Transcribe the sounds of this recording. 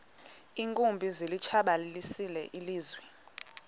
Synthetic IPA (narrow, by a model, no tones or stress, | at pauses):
iːŋkʼumbʱizilit͡ʃʰaɓalilisilɛ̰ʔiliːzwɛ